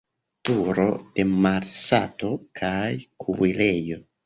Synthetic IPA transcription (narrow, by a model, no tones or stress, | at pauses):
tuɾo̞̰d̥e̞maɾsato̞kʰajkʰuwile̞jo̞